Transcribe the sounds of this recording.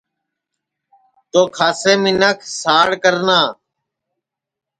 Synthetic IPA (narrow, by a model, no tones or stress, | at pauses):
t̪oːkʰaːseːmɪnəkʰsaːɽkəɾnaː